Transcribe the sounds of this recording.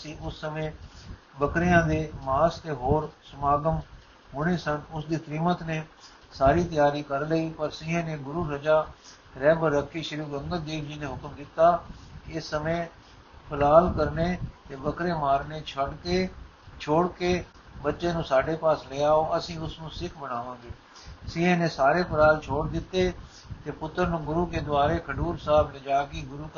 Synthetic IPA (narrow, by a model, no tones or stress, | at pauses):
əsĩːʊsːəmẽː | bəkɾɪjãːd̪eːmaːst̪eːɦoːɾsəmaːɡəm | ɦoːɽ̃eːsənʊsd̪iːt̪ɾiːmət̪neː | saːɾiːt̪ɪjaːɾiːkəɾləiːpəɾsɪ̃ːɦẽːneːɡʊɾuːɾəd͡ʒaː | ɾɛːbəɾːəkʰːiːʃəɾuːɡəŋɡ̪əld̪eːbʰd͡ʒiːneːɦʊkmd̪ɪt̪ːaːkɪsːəmẽː | pʰəlaːlkəɾneːt̪eːbəkɾeːmaːɾneːt͡ʃʰəɽkeː | t͡ʃʰoːɽkeː | bətːʃẽːnũːsaːɖeːpaːsleːaːoːəsĩːʊsnũːsɪkʰbəɽ̃aːʋãːɡeː | sĩːɦẽːnẽːsaːɾeːpʰəlaːlt͡ʃʰoːɽd̪ɪt̪ːeː | t̪eːpʊt̪ːəɾnũːɡʊɾuːkeːd̪ʊaːɾeːkʰəɖuːɾsaːbled͡ʒaːkiːɡʊɾuːk